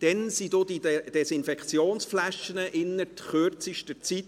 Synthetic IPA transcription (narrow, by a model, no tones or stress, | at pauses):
d̥ɛnsid̥od̥̪id̥ɛsɪnfɛkχt͡sjoːnsflæʃənəʔɪnːətχøɾt͡siʃtət͡sit